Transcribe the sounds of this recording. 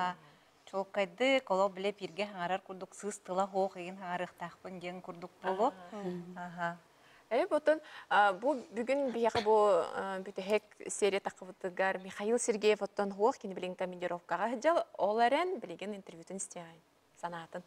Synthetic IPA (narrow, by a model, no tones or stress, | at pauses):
a | t͡ʃʰolˠkːajd̪ɯkolˠoqbilʲepʲiɾɡeɦɑŋɑɾaɾkuɾd̪uksɯst̪ɯlˠaɦoːχeɡinɦɑŋɑɾɯχt̪aqpɯnd͡ʒeŋkuɾd̪uq̚bolˠo | aɦa | epot̪ːonabubyɡynbijaqɯbubyt̪øɦeksʲeɾʲat̪ɑqːɯvɯt̪ɯɡarmʲiχajilˠsʲerɡʲejefot̪ːonɦuoχkʲenibʲilʲiŋkɐmʲenʲd̪ʲeɾofkaʁɑɦɯd͡ʒalˠolˠeɾenbʲilʲiɡʲinint̪ʲervjut̪insʲt̪ʲeʁa | sɐnaːt̪ɯn